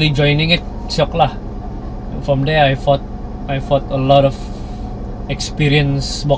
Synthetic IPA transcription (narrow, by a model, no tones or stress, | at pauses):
lid͡ʒɔjnɪ̃ŋɪt̪̚ | sɔklah | fɾɔmdɛajfɔt̪̚ | ajfɔt̪əlɔɾɔf | ɛkspiɾiənsbɔ